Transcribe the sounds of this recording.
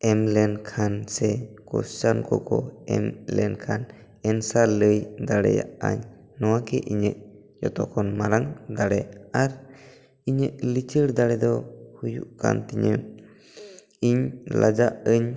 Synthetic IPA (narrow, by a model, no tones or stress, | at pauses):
ɛmlɛnkʰansɛkɔst͡ʃankɔkɔɛmlɛnkʰan | ɛnsaləjd̪aɽɛ̰ja̰ʔa̰ɲː | ɔwakɛʔiɲəʔ̚ | d͡ʒɔt̪ɔkʰɔnmaɾaŋd̪aɽɛaɾ | iɲəʔlit͡ʃəɽd̪aɽɛd̪ɔhujuʔka̰nt̪ɛɲə | iɲla̰d͡ʒaʔəɲ